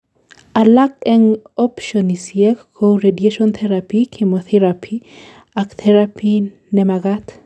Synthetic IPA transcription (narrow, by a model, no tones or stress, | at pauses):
ʔalakɛŋɔpʃɔnisiekkoɾedeʃɔnt̪ʰɛɾapikʰimoθiɾapʰi | akt̪ʰɛɾapʰi | nɛmaɡat̪